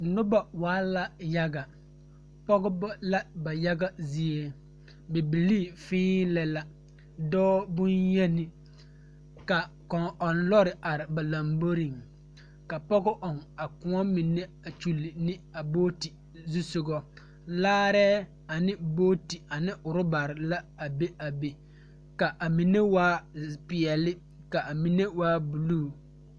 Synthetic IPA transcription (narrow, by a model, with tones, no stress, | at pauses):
nʊ˦ba˨waː˦la˨ja˦ɡa˨ | pɔ˦ɡʊ˦bɔ˦la˦ba˨ja˦ɡa˦zi˦e˦ | be˨bi˨li˦˨fɪ̃ː˦lɛ˨la˦ | dɔː˦bʊ˦njɛ˦nɪ˦ | ka˨ | kɔ˨ŋʔɔ˨nlɔ˦ɾɪ˨a˨ɾɪ˨ba˨lã˨mbo˦ɾi˨ŋ | ka˨pɔ˦ɡʊ˦ʔɔ˨ŋa˨kʊ˨˦ɔ˦mi˨ne˦a˨t͡ʃu˨lɪ˨nɪ˦a˨boː˦ti˨ | zu˦sʊ˨ɡɔ˦ | laː˦ɾɛː˦ | a˨nɪ˦boː˦ti˨a˨nɪ˦ʔʊ˨ɾʊ˦ba˨ɾɪ˨la˦a˨be˦ʔa˨be˨ | ka˨ʔa˨mi˨ne˦waː˦pɪ˨ɛ˨lɪ˦ | ka˨ʔa˨mi˨ne˦waː˦bu˨luː˦˨